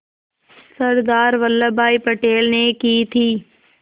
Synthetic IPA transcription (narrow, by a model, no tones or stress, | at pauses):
sɐɾd̪aːɾʋəlːəbʱaːipɐʈeːlnekiːt̪ʰiː